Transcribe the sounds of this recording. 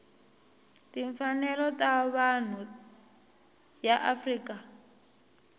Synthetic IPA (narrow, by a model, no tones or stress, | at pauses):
tiɱfanɛlɔtaβan̤u | jaʔafriːka